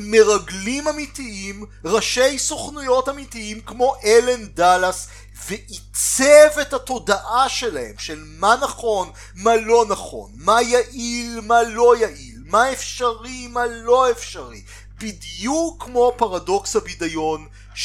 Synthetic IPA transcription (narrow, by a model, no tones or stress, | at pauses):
meʁaɡlimamitiimʁaʃe̞jsoχnujo̞tamitiimkmo̞ʔele̞ndalas | veʔit͡sevethato̞daʔaʃelahe̞̰mʃelmanaχo̞n | malo̞naχo̞̰nmajaʔilmalo̞jaʔilmaefʃaʁimalo̞efʃaʁi | b̥idjukːmo̞paʁado̞kshabidajo̞n